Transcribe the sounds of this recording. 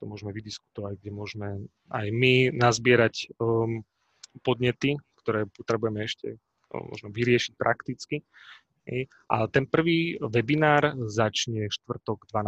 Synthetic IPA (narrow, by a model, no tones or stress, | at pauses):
t̪ɔmʊɔʒɛmɛʋid̪isku̥t̪ɔʋaɟɡ̚ɟɛmʊɔʒmɛ | a̰jminazbɪɛɾac | pɔd̪ɲɛt̪ikt̪ɔɾɛːpɔt̪ɾɛbujɛmɛɛʃcɛ̰ | mɔ̰ʒnɔʋiɾɪɛʃi̥c̚pɾʔakt̪it͡ski | ɦɛ̰j | ʔa̰lɛt̪ɛnpr̩ʋiːʋɛbinaːɾzat͡ʃɲɛʃt̪ʋr̩t̪ɔɡd̪ʋan